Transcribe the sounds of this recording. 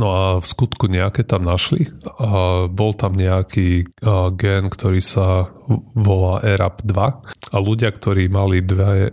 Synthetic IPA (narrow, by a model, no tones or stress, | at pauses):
nɔafskut̪kuɲɛakɛt̪amnaʃli | bɔlt̪amɲɛakʰiːɡɛnkt̪ɔɾiːsa | ʋɔlaːʔɛɾabd̪ʋaaluɟɪakt̪ɔɾiːmalid̪ʋɛ